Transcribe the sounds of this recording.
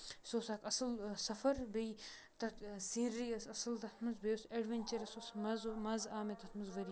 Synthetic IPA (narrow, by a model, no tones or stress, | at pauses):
soːsaːkɐsɐlsɐfɐɾbej | t̪ɐt̪sĩːɾijɐsɐsɐlt̪ɐt̪ʰmɐzbejoseɖʋenʲt͡ʃɐɾɐsoːsmɐzmɐzaːmet̪ɐt̪ʰmɐzʋɐɾi